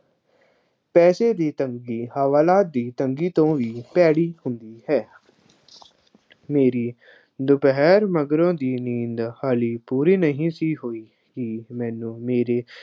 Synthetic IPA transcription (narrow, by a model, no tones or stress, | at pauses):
pɛːseːd̪iːt̪əŋɡiːhəʋaːlaːt̪̚d̪iːt̪əŋɡiːt̪õːʋiːpɛːɽiːhʊnd̪iːhɛː | meːɾiː | d̪ʊpɦɛːɾməɡɾõːd̪iːnĩːnd̪haːliːpuːɾiːnəɦĩːsiːɦoːiː | kimɛ̃ːnũːmeːɾeː